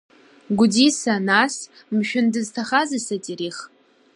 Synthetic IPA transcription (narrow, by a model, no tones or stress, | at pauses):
ɡʷʊdisanas | mʃᶣʊndɨztʰaχazɨsadiɾiχ